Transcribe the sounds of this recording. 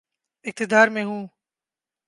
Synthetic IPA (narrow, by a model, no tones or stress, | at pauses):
ɪk̚t̪ɪd̪aːɾmẽːɦũː